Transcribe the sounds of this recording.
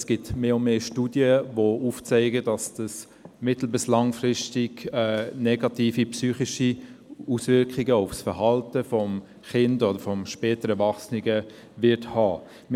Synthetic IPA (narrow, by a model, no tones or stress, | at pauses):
sɡ̥ɪtmeːʊmeːʃtudjəʋouft͡sɛɪɡədɑsd̥ɑs | mɪtl̩bɪslɑŋfɾɪstɪɡ̥ɛːnɛɡɑtiːfipsyːχiʃiusvɪɾkχiɡəʊfsfəɾhɑltəfɔm | χɪndɔdəɾfɔmʃpɛːtəɾɛvɑχsnɪɡə | ʋɪɾthɑː | m